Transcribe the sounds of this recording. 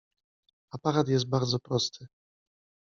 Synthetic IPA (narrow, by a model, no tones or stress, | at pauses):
apaɾat̪jɛst̪̚baɾd̪zɔpɾɔst̪ʰɘ